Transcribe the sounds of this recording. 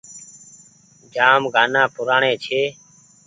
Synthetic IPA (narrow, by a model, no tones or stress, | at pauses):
d͡ʒaːmɡʱaːnãːpʊɾaːɳẽːt͡ʃʰeː